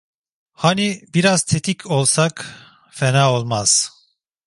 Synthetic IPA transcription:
hanibiɾaz̥t̪ʰet̪ʰikʰo̞lˠsak | fɛnaːo̞lˠmaz̥

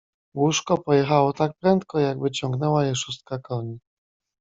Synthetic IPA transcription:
wuʂkɔpɔjɛxawɔt̪ak̚pɾɛnt̪kɔjaɡbɘt͡ɕɔŋɡnɛwajɛʂust̪̚kakɔɲi

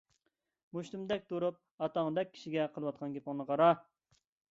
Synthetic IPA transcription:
muʃt̪umd̪ɛk̚ʲt̪oɾup̚ɑt̪ɑŋd̪ɛk̚ʲʰːi̥ʃiɡʲɛqʰəlˠɨwɑt̪̚qʰɑnɡʲepɑŋnɨqɑɾɑ

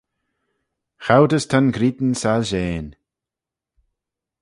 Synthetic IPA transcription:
xawdəstʰanɡɾiːd̪n̩salʒeːn

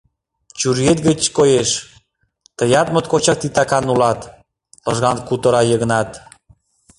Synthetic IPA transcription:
t͡ɕurjet̪ɡət͡ɕkojeʃ | t̪ə̆jɑt̪mət̪̚kot͡ɕɑk̚t̪it̪ɑkɑnulɑt̪ | lɤʒɣɑnkut̪ə̆ɾɑjəɣə̆nɑt̪

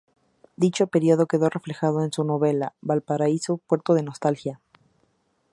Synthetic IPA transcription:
d̪it͡ʃo̞pe̞ɾjoð̞o̞ke̞ðo̞re̞fle̞xað̞oensuno̞βe̞labalpaɾaiso̞pwe̞ɾt̪oð̞e̞no̞st̪alxja

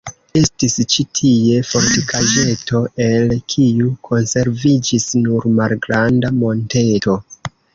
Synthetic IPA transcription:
e̞stist͡ʃitʰie̞fo̞ɾtikʰaʒe̞to̞e̞lkʰijukʰo̞nse̞ɾvid͡ʒisnuɾmalɡɾandamo̞nte̞to̞

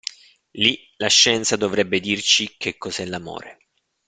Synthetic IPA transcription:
li | laʃːɛnt̪sad̪ovɾɛbːed̪irt͡ʃik̟ʰːekːɔzɛlamo̰ːɾe

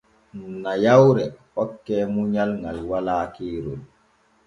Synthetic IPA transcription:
najawɾɛ | ɔkːɛːmuɲalŋɡalwalaːkeːɾol

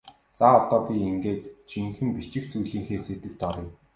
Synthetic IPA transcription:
t͡saɔt̪ɔːpʲieŋɡeːt̪t͡ɕʰiŋxɘ̆mpit͡ɕɪ̆xt͡sujɮiːŋxeːset̪ɘ̆kt̪ɔɾɞ̆j

